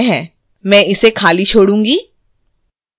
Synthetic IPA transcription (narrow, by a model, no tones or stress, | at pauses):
ɦɛ̃ː | mɛ̃ɪsekʰaːlit͡ʃʰoːɽũːŋɡiː